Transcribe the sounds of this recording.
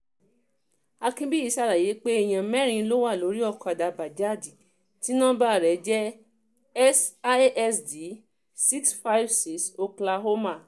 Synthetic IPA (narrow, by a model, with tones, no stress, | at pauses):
a˧kĩ˦bi˦i˧˦sa˧˨ɾa˨je˨˦k͡pe˦e˦˧˨j̃ã˨mɛ̃˦ɾ̃ĩ˧lo˦wa˦˨lo˨˦ɾi˦ɔ˦˨kɔ˨˧˨da˨ba˨d͡ʒa˦˨di˨ | ti˦nã˦ba˦˨ɾɛ˨˦d͡ʒɛ˦ | ɛ˦sa˦ʔɛ˦sdi˨˦ | si˦ksfa˦jfsi˦so˧kla˧ɦo˦ma˦˨